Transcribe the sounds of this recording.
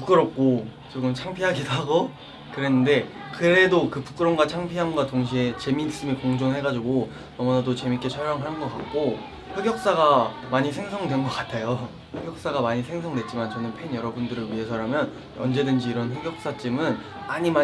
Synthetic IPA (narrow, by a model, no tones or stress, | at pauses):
puk͈ɯɾʌp̚k͈o | t͡ɕoɡɯmt͡ɕʰaŋpʰiɦaɡidoɦaɡo | kɯɾe̞nːɯnde̞ | kɯɾe̞dokɯpu̥k͈ɯɾʌmɡwat͡ɕʰaŋpʰiɦamɡwatoŋɕ̬ʰie̞t͡ɕe̞mis͈ɯmikoŋd͡ʑoŋɦe̞ɡad͡ʑiɡo | ʌmʌnadot͡ɕe̞mik͈e̞t͡ɕʰʌɭjʌŋɦanɯnɡʌk͈ak̚k͈o | ɸeɡjʌk̚s͈aɡamaɲisʰe̞ŋsʰʌŋdwe̞nɡʌk͈atʰejo | ɸeɡjʌk̚s͈aɡamaɲisʰe̞ŋsʰʌŋdwe̞t̚t͡ɕ͈imant͡ɕʌnɯnpʰe̞njʌɾʌbundɯɾɯɭɥiɦe̞sʰʌɾamjʌn | ʌ̰nd͡ʑe̞dɯnd͡ʑiːɾʌnɸeɡjʌk̚s͈at͡ɕ͈imɯn | aɲima